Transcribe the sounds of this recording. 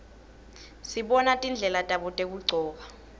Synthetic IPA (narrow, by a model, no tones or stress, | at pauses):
siɓɔnatʼind͡ɮʱɛlatʼaɓɔtʼek̬uǀʱɔːk̬a